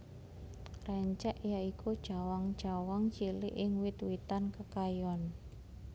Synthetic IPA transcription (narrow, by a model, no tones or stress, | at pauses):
rɛɲt͡ʃɛʔjaikʰud̥ʒ̥awaŋd̥ʒ̥a̤waŋt͡ʃilɪ̰ʔɪŋwɪt̪wit̪ankəkajɔn